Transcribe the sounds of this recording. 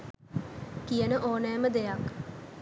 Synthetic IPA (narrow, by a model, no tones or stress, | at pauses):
kijənəʔoːnɛːməd̪ejak